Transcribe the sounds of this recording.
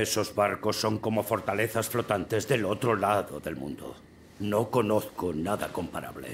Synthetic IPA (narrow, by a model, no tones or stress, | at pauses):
eso̞zβaɾko̞sːo̞ŋko̞mo̞fo̞ɾt̪ale̞θasflo̞t̪ant̪e̞zðe̞lo̞t̪ɾolaðoðe̞lmṵ̃nd̪o̰ | no̞ko̞no̞θkonaðako̞mpaɾa̰βle̞̰